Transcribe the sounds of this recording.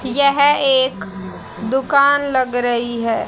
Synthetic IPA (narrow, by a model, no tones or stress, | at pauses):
jɛɦeːk | d̪ʊkaːnlɐɡɾɐɦiɦɛː